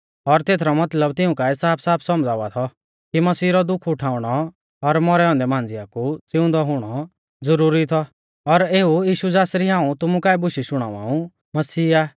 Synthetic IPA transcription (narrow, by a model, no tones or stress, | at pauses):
ɔɾt̪eːt̪ʰɾɔmɐt̪ləbt̪ɪ̃ũkaɪsaːpʰsaːpʰsɔmd͡zaːʋat̪ʰɔ | kimɐsiːɾɔd̪ʊkʰʊʈʰaːʊɽ̃ɔ | ɔɾmɔɾɛɔ̃ːnd̪ɛmãːnd͡zɪjakut͡sɪʊ̃nd̪ɔɦʊɽ̃ɔ | d͡zʊɾuːɾit̪ʰɔ | ɔɾeːujiːʃud͡zaːsɾiɦãːũt̪ʊmũkaːɛbʊʃiʃʊɽ̃a̰ːʋa̰ːũ | mɐsiːaː